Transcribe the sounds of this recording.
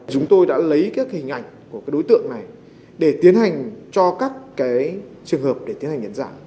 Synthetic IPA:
t͡ɕʊ˨˦ŋ͡mt̪o˧jɗa̰ː˧˥lə˨˦jkaː˨˦˥k̚hï˨˩ŋ̟ʔa̰˧˩jŋ̟ku˧˩kaː˨˦jɗo˨˦jt̪ɨ̰˧˨əŋna˨˩j | ɗe˧˩t̪i˨˦ənha˨˩jŋ̟t͡ɕɔ˧kaː˦˥kːaː˨˦jt͡ɕɨ˨˩əŋhəː˨˩p̚ɗe˧˩t̪i˨˦nha˨˩ŋ̟ʔa˨˧˦ŋzaː˧˩

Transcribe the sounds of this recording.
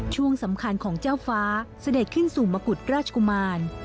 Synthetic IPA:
t͡ɕʰu˥˩əŋsa˩˦mkʰa˧nkʰɔː˩˦ŋt͡ɕaː˥˩wwfaː˦˥sa˧de˨˩t̪̚kʰɯ˥˩nsuː˨˩maː˧ku˨˩t̪̚ɾaː˥˩t͡ɕʰa˧ku˧maː˧n

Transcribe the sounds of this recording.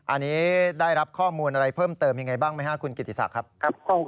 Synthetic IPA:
ʔa˧nːiː˦˥daː˥˩jɾa˦˥p̚kʰɔː˥˩muː˧nʔa˧ɾa˧jpʰɤː˥˩mt̪ɤː˧mja˧ŋːa˧jbaː˥˩ŋma˥˩jɦa˥˩kʰu˧nki˨˩t̪ːi˨sa̰˨˩kʰɾa˦˥p̚kʰa˦˥p̚kɔ˥˩

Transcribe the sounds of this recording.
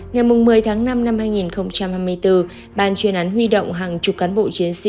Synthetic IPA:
ŋa˨˩jmʊ˨˩ŋ͡mːɨ˨˩əjt̪ʰaː˨˦ŋna˧mna˧mhaː˧jŋi˨˩nxə˧wŋ͡mt͡ɕa˧mhaː˧jmɨ˧ə˧jt̪ɨ˧ | ɓaː˨˩nt͡ɕwi˨˩ənʔaː˨˦nɦwi˧ɗə̰˧˨wŋ͡mɦaː˨˩ŋt͡ɕʊ˨˩k͡p̚kaː˨˦nɓo̰˧˨t͡ɕi˨˦ənsḭ˧˨

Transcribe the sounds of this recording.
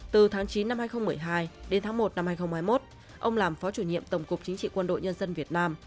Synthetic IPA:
t̪ɨ˨˩t̪ʰaː˨˦ŋt͡ɕi˨˦nːa˧mhaː˧jxə˧wŋ͡mm˨˩əjɦaː˧jɗe˨˦nt̪ʰaː˨˦ŋmo˨˩t̚na˧mhaː˧jxə˧wŋ͡mhaː˧jmo˦˥t̚ | ʔə˧wŋ͡mlaː˨˩mfɔ˨˦t͡ɕu˧˩ɲḭ˧˨əmt̪ə˧˩wŋ͡mkʊ˨˩k͡p̚t͡ɕï˨˦ŋt͡ɕḭ˧˨kwə˧nɗo̰˧˨jɲə˧nzə˧nvi˨˩ət̚naː˧m

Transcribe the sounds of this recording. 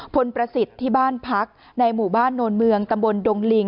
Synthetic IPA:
pʰo˧npɾa˧si˨˩t̪ʰːiː˥˩baː˥˩npʰa˦˥k̚ | na˧jmuː˨˩baː˥˩nːoː˧nmɯ˧əŋt̪a˧mbo˧ndo˧ŋli˧ŋ

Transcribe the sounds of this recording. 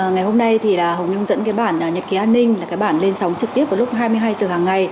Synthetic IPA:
ŋa˨˩jɦo˧mna˧jt̪ʰi˨˩laː˨˩hə˨˩wŋ͡mɲʊ˧ŋ͡mzə̰˧˥nkaː˨˦jɓaː˧˩nː˨˩ɲə˨˩t̚ki˨˦ʔaː˧nːï˧ŋ̟laː˨˩kaː˨˦jɓaː˧˩nle˧nsa˨˦wŋ͡mt͡ɕɨ˨˩t̪i˦˥əvːlʊ˦˥k͡p̚ɦaː˧jmɨ˧əjɦaː˧jzəː˧˨˩haː˨˩ŋːa˨˩j

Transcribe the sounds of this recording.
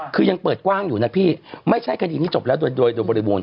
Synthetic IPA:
kʰɯː˧ja˧ŋpəɤː˨˩t̪̚kwaː˥˩ŋjuː˨˩na˦˥pʰiː˥˩ma˥˩jt͡ɕʰa˥˩jkʰa˧iː˧t̪ʰiː˥˩t͡ɕo˨˩p̚lɛː˦˥wdoː˧jdoː˧jdoː˧jbɔː˧ɾi˦˧boː˧n

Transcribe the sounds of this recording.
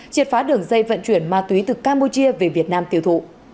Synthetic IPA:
t͡ɕi˨˩ət̚faː˨˦ɗɨ˨˩əŋzə˧jvə̰˧˨nt͡ɕwi˧˩ənmaː˧t̪wi˨˦t̪ɨ˨˩kaː˧mpu˧t͡ɕi˧əve˨˩vi˨˩ət̚naː˧mt̪i˧˩əwt̪ʰṵ˧˨

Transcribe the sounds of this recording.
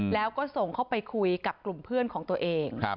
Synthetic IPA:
lɛː˦˥wkɔː˥˩so˨˩ŋkʰa˥˩wpa˧jkʰu˧jka˨˩p̚klu˨˩mpʰɯ˥˩ənkʰɔː˩˦ŋt̪u˧əʔeː˧ŋʰ˦˧

